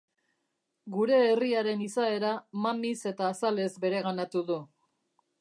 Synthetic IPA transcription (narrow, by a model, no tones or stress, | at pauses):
ɡuɾe̞ːriaɾe̞nisae̞ɾamamise̞t̪aːsale̞zbe̞ɾe̞ɣanat̪uðu